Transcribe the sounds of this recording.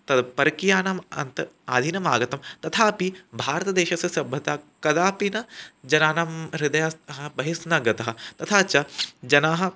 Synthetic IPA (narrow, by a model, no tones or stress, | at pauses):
t̪ɐd̪pɐɾɐkijaːnɐmɐ̰nt̪ɐaːd̪ʱinɐmaːɡɐt̪ɐmt̪ɐt̪ʰaːpibʱaːɾɐt̪ɐd̪eːʃɐsɐsɐbʱːɐt̪aːkɐd̪aːpinɐd͡ʒɐnaːnɐmɾid̪ɐjasɐɦɐbɐɦisnɐɡɐt̪ɐɦɐ̆t̪ɐt̪ʰaːt͡ʃɐd͡ʒɐnaːɦɐ̆